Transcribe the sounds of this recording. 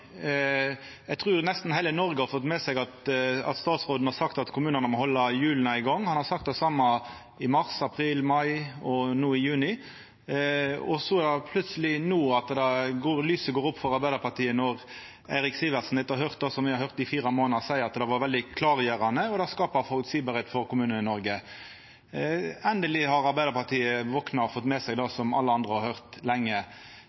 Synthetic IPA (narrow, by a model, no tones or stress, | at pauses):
jɛɡt̪ʰʁʉːɾnɛst̪n̩hæɪlənɔɾɡəhɑɾfɔt̪ːmɛsɛɡɑt̪ɑ̰t̪st̪ɑːt̪sʁoːd̪n̩hɑɾsɑkt̪ɑt̪kʰʊmʉːnənəmɔhɔlːɑjʉːlnɑɪɡɔŋːhɑnhɑʁsɑk̚t̪̚d̪ɛsɑmːɑ | ɪmɑʁsɑpʰɾiːlmɑɪɔnuːɪjʉːnɪ | ɔ̰sɔɛɑpʰlʉt̪səlɪnuːɑt̪d̪ɑɡoːɾlyːsəɡoːɾʊpːfɔɾɑɾbæɪəɾpɑt̪iːənɔʁ | æɪɾɪksiːʋəʁsn̩d̪ɛt̪ːɑɦœʁt̪̚d̪ɑːsɔmʋɪhɑɾhœʁt̪d̪ɪfiːɾɑmoːnnɑsæɪəɾɑt̪d̪ɛʋɑɾʋɛld̪ɪkʰlɑːʁjeɾɑnəɔd̪ɑskɑːpɑfɔlksiːbɑɾheːt̪fɔɾkʊmʉːnənɪnɔɾɡə | ɛnd̪əlɪhɑɾɑɾbæɪd̪əɾpɑt̪ʰiːəʋɔknɑfɔt̪ːmɛsɛɡd̪ɑsɔmɑlːəɑnd̪ʁəhɑɾhœʁt̪lɛŋːə